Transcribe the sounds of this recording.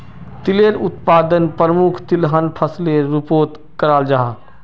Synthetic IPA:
t̪ɪleɾʊt̪paːd̪ənpɾəmʊkʰt̪ɪlɦənpʰəsleɾɪpoːt̪ | kəɾaːld͡ʒaɦaː

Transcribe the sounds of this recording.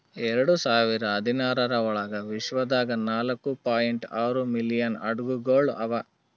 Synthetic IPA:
ɛɾɐɽusaːʋiɾɐːd̪ʱinaːɾɐɾɐɔɭɐɡɐʋiʃʋɐd̪aːɡɐnaːlɐkːupaːjiɳʈaːɾumilijɐnɐ̰ɖɡuɡoːɭɐ̰ʋɐ

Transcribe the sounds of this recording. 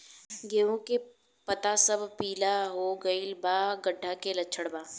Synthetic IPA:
ɡeːʋõke | pɐt̪asɐbpiːlaɦoɡɐilbaːɡəɖʱːakelɐːt͡ʃʰəɽbaː

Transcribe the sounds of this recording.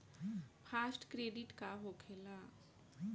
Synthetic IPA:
pʰaːsʈkɾeːɖɪʈkaɦoːkʰeːla

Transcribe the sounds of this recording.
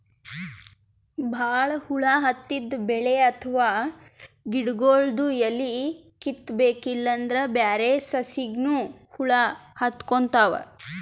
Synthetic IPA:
bʱaːɭɐhuɭaːɦɐt̪ːid̪beɭeɐt̪ʰʋaː | ɡiɖɡoːɭɖ̪ujɐlːi | kit̪ːbeːkilːɐnd̪ɾɐbjaːɾesɐsiɡnuhuɭahɐt̪kont̪aːʋɐ̰

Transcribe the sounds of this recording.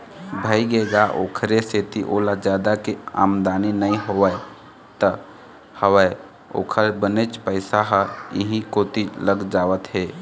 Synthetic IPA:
bʱəiɡed͡ʒaʔoːkʰɾeset̪iʔoːlad͡ʒjaːd̪akea̰ːmd̪aːninəĩɦoʋe | t̪ə | həʋəe | o̰ːkʰəɾbənet͡ʃpəɪsaɦəḭɦĩkoːt̪iləɡd͡ʒaːʋət̪ɦeː

